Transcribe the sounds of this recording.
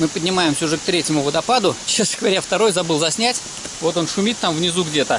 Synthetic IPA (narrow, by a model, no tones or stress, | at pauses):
mɨpədʲnʲɪmajɪmsʲəʊʐɛk̚t̪ɾʲetʲɪmʊvəd̪ɐpad̪ʊt͡ɕesnəɡəvɐɾʲaft̪ɐɾo̞jzɐbɨlˠzɐsʲnʲætʲ | vo̞t̪o̞nʂʊmʲit̪ːamvnʲɪzuɡdʲe̞t̪ə